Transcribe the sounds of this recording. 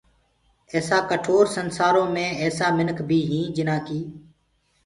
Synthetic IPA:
ɛːsaːkəʈʰoːɾsənsaːɾõːmẽːɛːsaːmɪnəkʰbʱiːɦĩːd͡ʒɪnãːkiː

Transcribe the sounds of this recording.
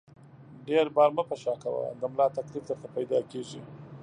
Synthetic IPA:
ɖeɾbɑɾməpəʃɑkawa̰d̪əmlɑt̪aklifd̪əɾt̪apajd̪ɑkeʐi

